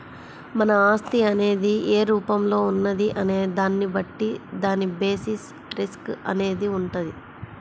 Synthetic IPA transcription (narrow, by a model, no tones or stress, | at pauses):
mɐnɐaːst̪iɐne̞ːd̪ieːɾuːpɐmlo̞ːunːɐd̪iʔɐne̞ːd̪aːnːibɐʈːid̪aːnibe̞ːsis | ɾiskɐ̰ne̞ːd̪iuɳʈɐd̪i